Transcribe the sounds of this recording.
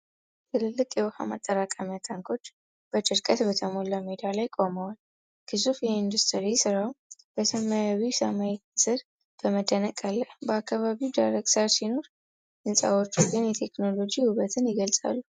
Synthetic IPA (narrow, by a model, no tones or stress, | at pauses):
t̪ʰɨlɨlːɨkʼjɛβʊha̰ma̰t̪ʼːəɾakʼamjat̪ʰaŋkʰo̞t͡ʃː | b̥ət͡ʃʼɨɾkʼət̪bət̪ʰəmolamed̪alajkʼo̞mawal | kʰɨzufjɛind̪ust̪ʰɨɾisɨɾawb̥əsəmajaβisəmajɛt̪sɨɾ | b̥əməd̪ːənəkʼalːəhbəakːaβaβiwd̪ajɾəɡsasino̞ɾ | ʔɨnsʼa̰wot͡ʃːuɡɨnjɛt̪ʰe̞kno̞lo̞d͡ʒihuβət̪ʰɨnjɪɡəlsʼa̰lːu